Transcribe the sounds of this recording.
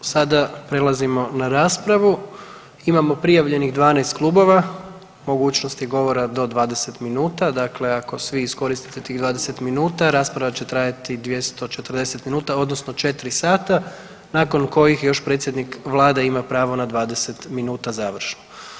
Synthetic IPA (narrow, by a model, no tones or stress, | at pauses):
sad̪apɾe̞lazimo̞naɾaːspɾaʋu | imamo̞pɾijaʋʎe̞niɣd̪ʋaːnest̪klˠuːbo̞ʋa | mo̞ɡuːt͡ɕnost̪jeɡo̞ʋo̞ɾad̪o̞d̪ʋaːd̪e̞se̞t̪minuːt̪ad̪akle̞ako̞sʋiːsko̞ɾist̪i̥t̪et̪iːɣd̪ʋaːd̪ese̞t̪minuːt̪aɾaːspɾaʋat͡ɕe̞t̪ɾaːjat̪id̪ʋje̞st̪o̞t͡ʃe̞t̪r̩d̪e̞set̪minuːt̪ao̞d̪no̞sno̞t͡ʃe̞t̪ɾisaːt̪a | nako̞nko̞jixjo̞ʃpɾet̪sʲjed̪nikʋlˠaːd̪aimapɾaːʋo̞nad̪ʋaːd̪e̞se̞t̪minuːt̪azaːʋr̩ʃno